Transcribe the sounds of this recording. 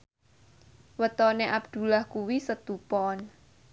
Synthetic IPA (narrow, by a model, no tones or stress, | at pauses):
wət̪ɔneʔab̚d̪̥ṳlahkuwisət̪upɔn